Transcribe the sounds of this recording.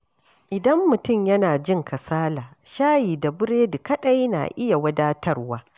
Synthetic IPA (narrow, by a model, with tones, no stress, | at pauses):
ʔɪ˨dɐ˦mːʊ˨tʊ˦˨mjɐ˦naː˨d͡ʒɪ˦˨ŋkʰɐ˨saː˦laː˨ | ʃaː˦jiː˨da˨bʊ˦ɽeː˦dʊ˨kɐ˦ɗɐ˦jna̰˨ʔɪ˦ja˨wɐ˦daː˦tɐ˦rwaː˦